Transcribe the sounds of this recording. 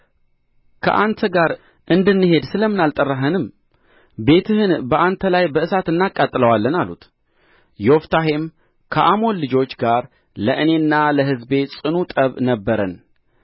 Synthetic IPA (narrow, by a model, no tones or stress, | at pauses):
kʰə̰ʔant̪ʰəɡaɾ | ʔɨnd̪ɨnːɨɦe̞d̪sɨləmɨnalt̪ʼərːaɦənɨm | be̞t̪ʰɨhɨnbəʔant̪ʰəlajbəɨsat̪ɨnːakʼːat̪ʼːɨləwalːənalṵt̪ | jɛɔft̪ʰaɦe̞m | kʰəʔamo̞nlɨd͡ʒo̞t͡ʃːɡaɾ | ləʔɨne̞nːaləɦɨzbe̞sʼɨnut̪ʼəβnəbːəɾən